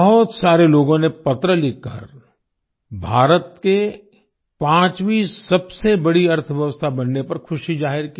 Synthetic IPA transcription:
ɦʊt̪saːɾeloːɡõnepɐt̪ɾəlɪkə̰ɾ | bʱaːɾət̪̚ke | pãːt͡ʃʋisɐbsebɐɽiɐɾt̪ʰʋjɐʋəst̪ʰabɐnːepɐɾkʰʊʃizaːɦɪɾki

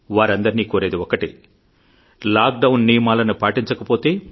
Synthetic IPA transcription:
ʋaːɾɐnd̪ɐɾniːkoːɾe̞ːd̪iɔkɐʈi | laːk̚ɖɐwnːijɐmaːlɐnupaːʈiɲt͡ʃɐkɐpoːt̪e̞ː

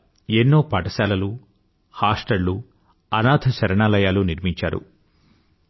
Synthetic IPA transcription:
enːoːpɐʈɐsaːlɐlu | haːsʈɐlːu | ɐnaːd̪ʰʱɐt͡ʃɐɾɐɳaːlɐjaːluniɾmiɲt͡ʃa̰ːɾṵ

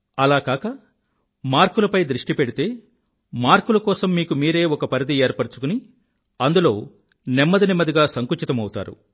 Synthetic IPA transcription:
ɐlaːkaːkɐ | maːɾkulɐpɐjd̪ɾiʂʈipeɽit̪e̞ː | maːɾkulɐkɔːsɐmːiːkumiːɾe̞ːɔkɐpɐɾid̪ieːɾpɐɽut͡ʃu̥kuni | ɐnd̪ulo̞ː | nɛmːɐd̪inɛmɐd̪iɡaːsɐŋkut͡ʃit̪ɐmɐwut̪a̰ːɾṵ

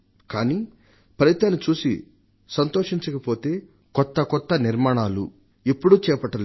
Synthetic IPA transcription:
kaːni | pɾɐjit̪ːaːnːit͡ʃuːsḭ | sɐnt̪oːʂiɲt͡ʃɐkɐpo̞ːt̪e̞ː | kɔt̪ːɐkɔt̪ːɐniɾmaːɳaːlṵ | ipːuɽut͡ʃɛːpɐʈːɐl

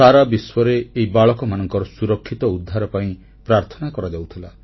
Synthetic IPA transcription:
aɾabiswɔɾeːibaɭɔkɔmanɔŋkɔɾɔsuɾɔkʰːit̪ɔud̪ʱːaɾɔpaĩ | pɾaɾt̪ʰɔnakɔɾad͡ʒawt̪ʰila

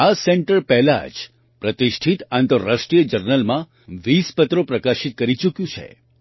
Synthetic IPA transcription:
aseɳʈəɾpɛɦla̰d͡ʒ | pɾət̪iʃʈʰit̪ant̪əɾːasʈɾijəd͡ʒəɾnəlmã | ʋispət̪ɾopɾəkaʃit̪̚kəɾit͡ʃukjũt͡ʃʰḛ

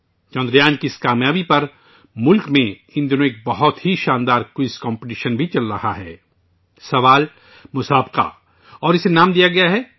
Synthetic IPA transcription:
t͡ʃɔ̃ːnd̪ɾjãːnkiɪskaːmjaːbipɐɾ | mʊlkmẽ | ɪ̃nd̪jonoek̚bɐɦɔt̪ɦiʃãːnd̪aːɾkwɪskɔ̃ːmpəʈ̬iːʃənbʱit͡ʃɐlɾɐ̰haɦɛː | sɐʋaːl | mʊsaːbqa̰ | ɔːɾɪsenaːmd̪ijaɡɐjaɦɛː

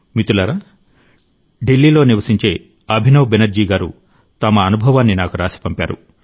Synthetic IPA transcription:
mit̪ulɐɾa | ɖilːiːlo̞ːniʋɐsiɲt͡ʃe̞ː | ɐbʱinɐwbenɐɾd͡ʒiːɡaːɾṵ | t̪ɐmɐːnubʱɐʋaːnːinaːkuɾaːsi̥pɐmpa̰ːɾṵ

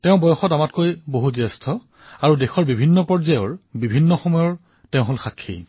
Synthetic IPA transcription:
tɛʊ̃bɔjɔxɔtamatkojboɦuzɛstʰɔ | aɹudexʰɔɹbibʱinːɔpɔɹzajɔɹbibʱinːɔxɔmɔjɔɹ | tɛʊ̃ɦolxakʰːḭ

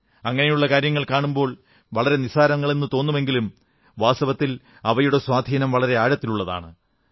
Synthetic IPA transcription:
ɐŋːɐnejuɭːɐkaːɾjɐŋːɐɭkaːɳumbo̞ːɭ | ʋɐɭɐɾe̞nisaːɾɐŋːɐɭenːɨt̪o̞ːnːume̞ŋɡilum | ʋaːsɐʋɐt̪ːil | ɐʋɐjuɽe̞swaːd̪ʱiːnɐmʋɐɭɐɾe̞aːɻɐt̪ːiluɭːɐða̰ːɳɨ

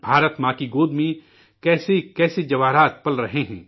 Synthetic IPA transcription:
bʱaːɾət̪maːkiɡoːd̪mẽ | kɛːsekɛːsed͡ʒɐʋaːɾaːt̪̚pɐlɾɐɦeɦɛ̰̃ː

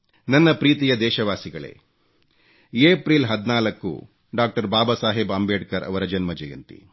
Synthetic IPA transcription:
nɐnːɐpɾiːt̪ijɐd̪ɛːʃɐʋaːsiɡɐɭḛː | eːpɾiːlɦɐd̪naːlɐkːṵ | ɖaːk̚ʈɐɾbaːbɐsaːɦibɐmbeːɖkɐɾʔɐ̰ʋɐɾɐd͡ʒɐnmɐd͡ʒɐjɐnt̪ḭ

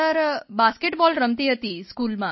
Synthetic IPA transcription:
əɾbaskeʈbɔlɾəmt̪iːɦət̪iskuːlmã

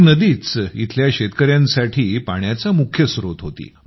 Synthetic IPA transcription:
nəd̪iːt͡sḭt̪ʰljaɕet̪kəɾjãnsaʈʰiːpaɳjat͡samukʰjəsɾot̪ɦot̪ḭː

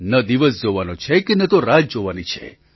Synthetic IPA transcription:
nəd̪iʋəs̬d͡ʒoʋanot͡ʃʰekenət̪oɾad͡ʒd͡ʒoʋanit͡ʃʰḛ

